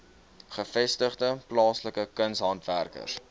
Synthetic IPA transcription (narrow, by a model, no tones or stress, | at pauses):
χəfɛstəχdəplɑːsləkəkənsɦɐntværkə̰r